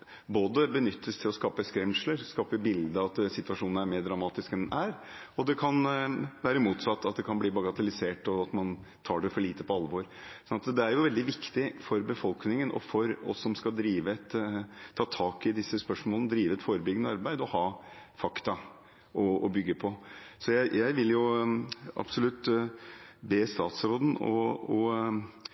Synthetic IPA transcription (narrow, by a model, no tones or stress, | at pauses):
boːd̪əbənʏt̪ʰːəst̪ʰɪlɔskɑːpəskɾɛmʂləɾskɑːpəbɪld̪əɑt̪sɪt̪ʋɑʂuːnəæɾmeːɾɖɾɑmɑːt̪ɪskɛnʔæɾɔd̪ɛkʰɑnʋæːɾəmuːt̪sɑt̪ːɑt̪̚d̪ɛkʰɑnbliːbɑɡɑt̪əlɪseːʈɔɑt̪mɑn | t̪ʰɑːɖɛfɔɭiːt̪əpɔɑlːʋoːɾssɔnɑt̪d̪ɛæɾjʊʋɛld̪ɪʋɪkt̪ɪfɔɾbəfɔlknɪŋənʔɔ̰fɔɾɔ̰sːɔmskɑd̪ɾiːʋəɛt̪ʰːɑːt̪ʰɑːkɪd̪ɪsːəspœʂmolnəd̪ɾiːʋəɛt̪foːɾəbʏɡnəɑɾbæɪd̪ɔhɑːfɑkt̪ɑ | ʔɔɔbʏɡːəpʰɔsɔjæɪjæɪʋɪljʊ | ʔɑ̰bsɔlʉt̪ː | beːst̪ɑːt̪sɾoːd̪n̩ɔ̰ɔ